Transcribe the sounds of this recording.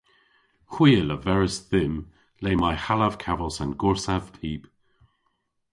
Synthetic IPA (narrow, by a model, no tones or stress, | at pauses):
xwiːələvɛɹəsðɪm | leːmajhalav̥kʰavəlˠsənɡʊɹsav̥pʰiːp